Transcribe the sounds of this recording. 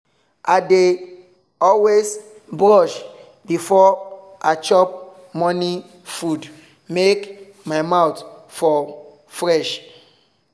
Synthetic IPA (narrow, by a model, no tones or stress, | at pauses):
ʔade | ɔlwesbɹɔʃ | bifɔ | at͡ʃɔp̚ | mɔni | fud | mek | maɪmawtfɔ | fɹɛʃ